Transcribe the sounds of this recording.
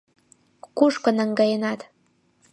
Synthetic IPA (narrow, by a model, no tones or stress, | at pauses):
kuʃkɤ̆nɑ̆ŋɡɑjenɑt̪